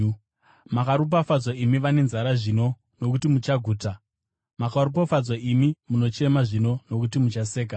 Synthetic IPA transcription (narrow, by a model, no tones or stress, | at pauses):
makaɾup̬afad͡zwaimiʋane̞nzaɾaʐino̞ | no̞kutimut͡ʃaɡʱuːta | makaɾup̬afad͡zwaʔimimuno̞t͡ʃe̞maʐino̞no̞kutimut͡ʃase̞ːka